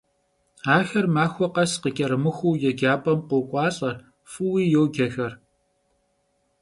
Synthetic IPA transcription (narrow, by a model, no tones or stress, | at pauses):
aːxɐrmaːxʷɔqɐsqəkʲʼɐɾɨmɨxʷuːjɛɡaːpʼɐmqʷokʷʼɑːɬʼɐ | fɨwiːjɛwɡɐxɐr